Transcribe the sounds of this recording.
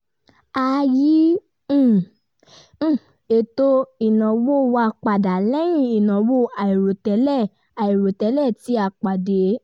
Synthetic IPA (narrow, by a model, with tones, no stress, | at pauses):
a˨jĩ˨˦˨ | e˨to˧i˨nã˨wo˦˨wa˧˨k͡pa˨da˨lɛ˦j̃ĩ˦˨i˨nã˨wo˦˨a˨i˨ɾo˨tɛ˨˦lɛ˦˨ | a˨i˨ɾo˨tɛ˨˦lɛ˦˨ti˨˦a˦˨k͡pa˨de˨˦